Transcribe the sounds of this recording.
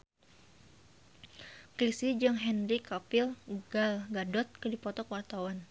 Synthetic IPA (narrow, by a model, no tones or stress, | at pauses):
kɾisid͡ʒɨŋɦɛnrikapilɡalɡadɔt̪̚kədipɔt̪ɔkwart̪awan